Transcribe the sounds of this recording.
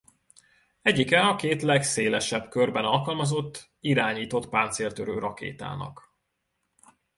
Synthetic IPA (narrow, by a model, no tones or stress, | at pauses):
ɛɟːikɛɒkeːt̪lɛkseːlɛʃɛbkørbɛnɒlkɒlmɒzo̞t̪ː | iɾaːɲiːt̪o̞t̪paːnt̪seːlt̪øɾøːɾʔɒkḛːt̪a̰ːnɒ̰k